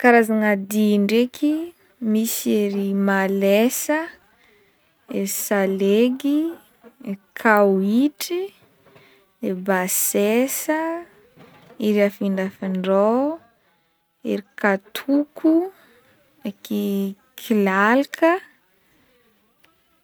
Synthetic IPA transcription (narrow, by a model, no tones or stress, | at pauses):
kaɾazaŋad̪iɳɖ͡ʐekʰi | misieɾimalesə | eɾisaleɡi | eɾikʰawiʈ͡ʂi | ebasesə | iɾiafiɳdafiɳɖ͡ʐo | eɾikat̪ʰukʰu | eki | kʰilalikʰə